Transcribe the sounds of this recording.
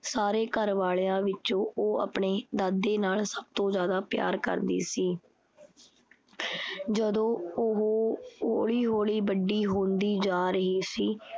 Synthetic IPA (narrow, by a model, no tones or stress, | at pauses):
saːɾeːkəɾʋaːɭjãːʋɪt͡ʃõːʔoːa̰ːpɳeːd̪aːd̪ːeːnaːlsəb̚t̪õːzjaːd̪aːpja̰ːɾkə̰ɾd̪ḭːsiː | d͡ʒəd̪õːʊɦoːɦoːɭiːɦoːɭiːbəɖːiːɦõːnd̪iːd͡ʒaːɾəɦiːsiː